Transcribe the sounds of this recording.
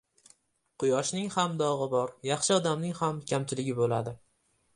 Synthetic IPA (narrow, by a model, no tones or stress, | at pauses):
qʰʊjɒʃnɪŋhamd̪ɒʁɨbɒɾjɑχʃɪɒd̪amnɪŋhamkʲʰamt͡ʃʰɪlɪɡʲɪbolad̪ɪ